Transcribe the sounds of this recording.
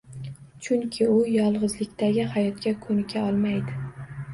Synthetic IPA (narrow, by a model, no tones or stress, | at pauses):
t͡ʃʰʊŋkʲʰɪʊjɒlˠʁɨzlɪkʲt̪ʰaɡʲɪhajɒt̪kʲakʰɵnɪkʲʰaɒlˠmajd̪ɪ